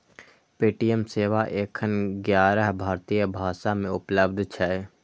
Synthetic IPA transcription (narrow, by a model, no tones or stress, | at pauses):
peːʈijəmseːʋaʔeːkʰːənɡjaːɾəɦbʱaːɾt̪iːjəbʱaːʃamẽʊpləbd̪ʱt͡ʃʰɛ